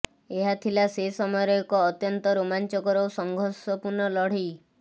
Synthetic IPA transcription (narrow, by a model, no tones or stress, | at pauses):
eɦat̪ʰilasesɔmɔjɔɾɔɔkɔːt̪jɔnt̪ɔɾomant͡ʃɔkɔɾɔwsɔŋɡʱɔɾsɔpuɾnɔlɔɽ̤ij